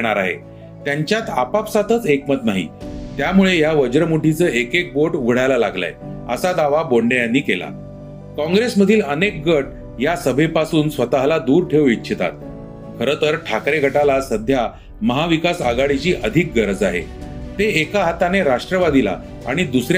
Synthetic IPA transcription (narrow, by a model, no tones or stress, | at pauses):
ɽ̃aɾaɦḛ | t̪jaɲt͡ɕjat̪apapsat̪ʰət͡sekmət̪naɦḭt̪jamuɭejaʋəd͡ʑɾəmuʈʰit͡səːekek̚boʈuɡʱɽ̤ajlalaɡla̰jə̰sad̪aʋaboɳɖejanːiːkela̰ | kɔ̃ŋɡɾesməd̪ʱiːlənek̚ɡəʈ̚ | jasəbʱepasuːnsʋət̪aɦlad̪uːɾʈʰewitːɕʰit̪a̰t̪̚ | kʰəɾət̪əɾʈʰakɾeɡʱəʈalasəd̪ʱja | məɦaʋikasaɡaɽit͡ɕiːʔəd̪ʱik̚ɡəɾəd͡zaɦḛt̪eekaɦat̪aneɾaʂʈɾəʋad̪ila̰ | a̰ɽ̃id̪usɾa